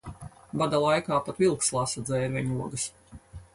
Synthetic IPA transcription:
bad̪alˠajkaːpat̪vilˠkslˠasad̪zɛːɾvʲɛɲuɔɡɐs

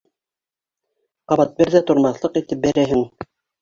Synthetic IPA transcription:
qɑβɑt̪̚bɘɾðæt̪ŏɾmɑθlˠɤqit̪ɘp̚bæɾæɦɘŋ

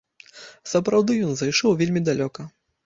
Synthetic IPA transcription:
sɐpɾawd̪ɨjɔnzajʂɔwvʲelʲmʲid̪alʲɔkɐ

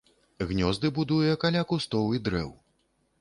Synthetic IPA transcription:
ɣnʲɔzd̪ɨbud̪ujɛkalʲakust̪ɔwid̪ɾɛ̰w

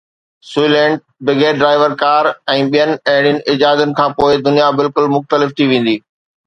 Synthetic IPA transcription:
suilɛ̃ːɳɖ̚ | bɪɡeːɖɾaːɪʋəɾkaːɾɛ̃ːɓijənɪ̆ɐɦɪɽ̃ɪjʊnɪ̆ʔɪd͡ʑaːd̪ənɪ̆kʰãːpoːɪd̪ʊnijabɪlkʊlmʊxt̪əlɪft̪ʰiʋẽːn̆d̪iː

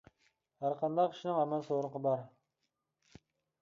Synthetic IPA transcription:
hæɾqʰɑnd̪ɑqʲʰi̥ʃinɪŋɑmɑnsoɾəɴqʰəbɑɾ

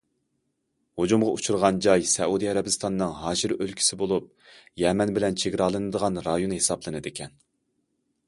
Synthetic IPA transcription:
hod͡ʒumʁɑut͡ʃʰuɾʁɑnd͡ʒɑjsɛud̪iɛɾɛbɪst̪ʰɑnːɨŋɦɑːʒiɾølkʲʰi̥sɪbolˠup̚jɛmɛnbɪlɛnt͡ʃʰeɡʲɾɑlˠɨnɨd̪əʁɑnɾɑjonhesɑplˠɨnɨd̪ekʲʰɛn

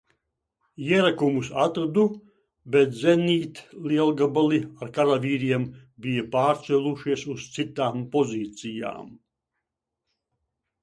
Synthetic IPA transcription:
jiɛɾakumusat̪ɾad̪u | bɛt̪zʲɛniːt̪liɛlˠɡabaliaɾkaɾavʲiːɾiɛmbijɐpaːɾt̪sɛlʲˠuʃiɛsust̪sit̪aːmpɔziːt̪sija̰ːm

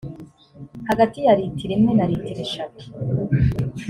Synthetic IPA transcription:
haɡatijaɾitiɾemŋenaɾitiɾe̞ʃatu̥

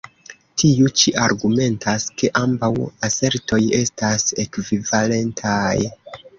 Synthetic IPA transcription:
tʰiut͡ʃiʔaɾɡume̞ntaske̞ʔambawase̞ɾto̞je̞stase̞kvivale̞ntʰaj

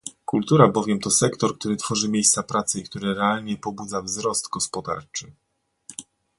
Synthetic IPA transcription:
kult̪uɾabɔvʲjɛmt̪ɔsɛkt̪ɔɾkt̪uɾɘt̪fɔʐɘmʲjejst̪sapɾat̪sɘikt̪uɾɘɾɛalɲɛpɔbud̪zavzɾɔst̪ɡɔspɔd̪a̰ɾt͡ʂɘ

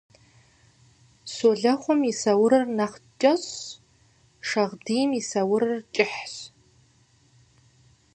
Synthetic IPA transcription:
soɮɐχʷɔmisɐwʊɾɨrnaχt͡ʃʼɐɕ | ʂɐʁdiːjmisɐwʊɾɨrt͡ʃʼɪħɕ

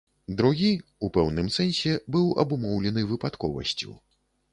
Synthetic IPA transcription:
d̪ɾuɣʲiupɛwnɨmsɛnʲsʲɛbɨwɐ̰bumɔwlʲɛnɨvɨpat̪kɔvɐ̰sʲt͡sʲṵ

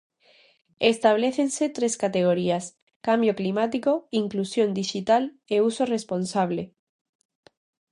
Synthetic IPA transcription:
est̪aβleθenset̪ɾeskat̪eɣ̞oɾias | kambjoklimat̪ikoiŋklusjõnd̪iʃit̪al | eusoresponsaβ̞le

